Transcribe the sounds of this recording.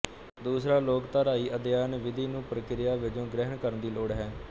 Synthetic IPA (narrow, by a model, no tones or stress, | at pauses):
d̪uːsɾaːloːkt̪aːɾaːiːʔəd̪jaːnʋɪd̪iːnũːpɾəkɪɾɪjaːʋɪd͡ʒõːɡɾɛɦənkəɾənd̪iːloːɽɦɛː